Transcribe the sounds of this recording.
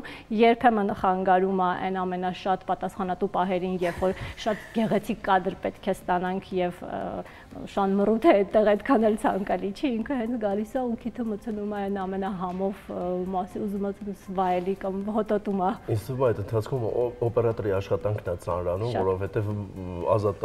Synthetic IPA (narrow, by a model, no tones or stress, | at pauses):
jɛɾpʰɛmənχɑŋɡɑɾumɑʔɛ̰nɑmɛnɑʃɑt̪pɑt̪ɑsχɑnɑt̪upɑɦɛɾinjɛvfɔɾʃɑt̪ɡɛʁɛt͡sʰikːɑd̪əɾpɛt̪kʰɛst̪ɑnɑŋkʰjɛv̰ | ʃɑnmərut̪ʰɛɛt̪ːɛʁɛt̪kʰɑnɛlt͡sʰɑŋkɑlit͡ʃʰiiŋkʰəɦɛnt͡sʰɡɑlisɑukʰit̪ʰəmət͡sʰənumɑɛnɑmɛnɑɦɑmɔvmɑsiuzumət͡sʰsvɑjɛlikɑmɦɔt̪ɔt̪umɑismɛjt̪ənt̪ʰɑt͡sʰkʰumɔpɛɾɑt̪ɔɾiɑʃχɑt̪ɑŋkʰnɛt͡sɑ̰nɾɑnumvɔɾɔvhɛt̪ɛvɑ̰zɑt̪